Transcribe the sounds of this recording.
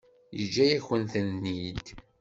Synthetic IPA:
jəd͡ʒːæjæçənθənnid̪

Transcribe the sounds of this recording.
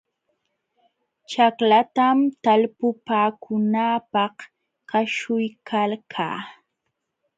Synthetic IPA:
t͡ʃaklat̪amt̪alpʊpaːkʰʊnaːpɑh | kaʃʊjkʰalkʰa̰ː

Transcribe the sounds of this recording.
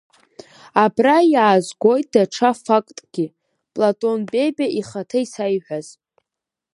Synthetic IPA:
abrajaːzɡʷo̞jtʼdaʈ͡ʂʰafakʼtʼɡ̥ʲi | pʼlatʼo̞nbʼe̞bʲaʔiχatʰaisajħʷᶣaz̥

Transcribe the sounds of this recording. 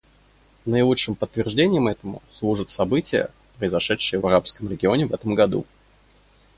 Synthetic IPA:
nəɪlˠut͡ʂʂːɨmpət̪ːvʲɪrʐdʲenʲɪjəmɛt̪əmʊ̰slˠuʐɨt̪sɐbɨtʲɪjə̰ | pɾəɪzɐʂɛtʂɨjəvɐɾapskəmɾʲɪɡʲɪo̞nʲɪvɛt̪əmɡɐd̪ṵ

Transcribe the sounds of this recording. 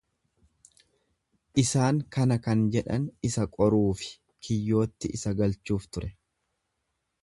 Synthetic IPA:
ʔɪsaːŋkɐnɐkɐnd͡ʒɛᶑɐnɪsɐkʼɔɾuːfɪ̥ | kʰɪjːo̞ːt̪ːɪʔɪsɐɡɐlt͡ʃuːft̪ʊɾʔɛ

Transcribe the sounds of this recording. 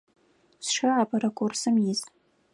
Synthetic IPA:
sʂɨʕapʼaɾakʷʰʼʊrsɨmjɪzʼ

